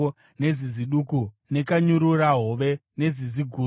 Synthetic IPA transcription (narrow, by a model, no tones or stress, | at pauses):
ne̞ziziɗuːku | ne̞kaɲuɾuraɦo̞ʋe̞ne̞ziziɡʱuː